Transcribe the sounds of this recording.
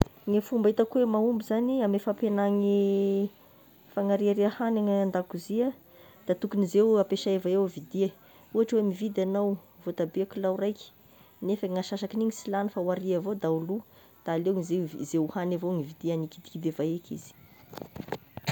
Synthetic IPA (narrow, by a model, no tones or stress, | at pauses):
ŋifumbait̪akwemaumbizaniamefapenaŋi | faŋaɾiaɾeahanaŋaand̪akuziə | d̪̥at̪ukunizewapeʃaevaewvid̪iə | uaʈ͡ʂwemivid̪anawvot̪abeakulawrajki̥ | nefəŋaʃaʃakiniŋisilanifawaɾiavod̪aulu | d̪̥aːlewŋizezeuhanavoŋivid̪eaniki̥d̪i̥kid̪evaekḭz̥i̥